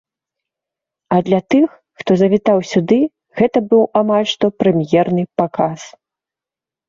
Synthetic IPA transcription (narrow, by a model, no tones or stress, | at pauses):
ɐd̪lʲat̪ɨxːt̪ɔzɐvʲit̪awsʲud̪ɨ | ɣɛt̪ɐbɨwamalʲʂt̪ɔpɾɛmjɛrnɨpakas